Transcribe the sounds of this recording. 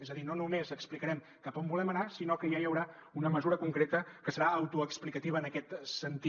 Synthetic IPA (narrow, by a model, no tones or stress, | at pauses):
ezəðinonumezəksplikəɾɛm | kəpombulɛmənasinokəjajəwɾa | unəməzuɾəkuŋkɾet̪əkəsəɾaəwt̪uəksplikət̪iβəːnəkɛt̪sənt̪i